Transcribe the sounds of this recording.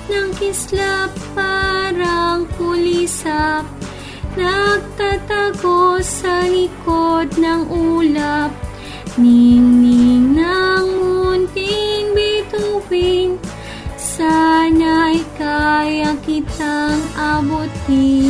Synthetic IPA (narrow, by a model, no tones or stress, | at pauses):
nɐŋkɪslapːaɾɐŋkʊlisap̚ | nɐɡ̚t̪at̪aɡosɐlɪkod̪̚nɐŋʔuːlap̚ | ninɪŋnaŋmʊnt̪ɪŋbɛt̪uwin | sanajkajɐkɪt̪aŋabot̪i